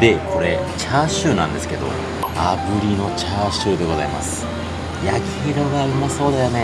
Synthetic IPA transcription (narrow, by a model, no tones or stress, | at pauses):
d̪e̞kʰo̞ɾe̞ | t͡ɕaːɕɨːnãnd̪e̞sɨ̥ke̞d̪o̞̰ | abɯ̟ɾʲino̞t͡ɕaːɕɨːd̪e̞ɡo̞zaima̰sɨ̥ | jakʲi̥hiɾo̞ɡaimːaso̞ːd̪ajone